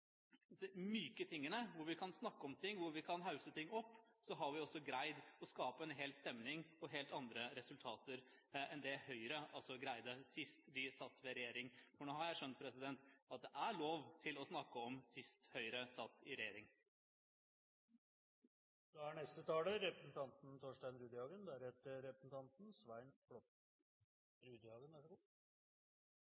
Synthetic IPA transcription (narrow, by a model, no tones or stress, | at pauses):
ɛmyːkət̪ʰɪŋːənəʋʊɾʋɪkʰɑnsnɑkːəɔmt̪ʰɪŋːʋʊɾʋɪkʰɑnɦɑʉsət̪ʰɪŋːɔpːsɔɦɑɾʋɪɔsːɔɡɾæɪd̪ɔskɑːpəɛnɦeːlst̪ɛmnɪŋɔɦeːlt̪ɑnd̪ɾəɾɛsʉlt̪ʰɑːt̪əɾ | ɛnd̪ɛhœʏɾəɑlsɔɡɾæɪd̪əsɪst̪d̪ɪsɑt̪ːʋɛɾɛjeːɾɪŋfɔɳoːhɑɾjæɪʂœnt̪̚pʰɾɛsɪd̪ɛnt̪ɑt̪̚d̪ɛʔæɭoːʋt̪ʰɪlɔsnɑkːəɔmsɪst̪hœʏɾəsɑt̪ːɪɾɛjeːɾɪŋ | d̪̥ɛæɳɛst̪ət̪ʰɑːləɾɛpɾəsn̩t̪ʰɑnt̪n̩t̪ʰoːʂʈæɪnɾʉːd̪əɑːɡənd̪æɾhɛt̪əɾɛpɾəsn̩t̪ʰɑnt̪n̩sʋæɪnflɔt̪ | ɾʉːd̪ɑːɡənʋæʂɔɡʊ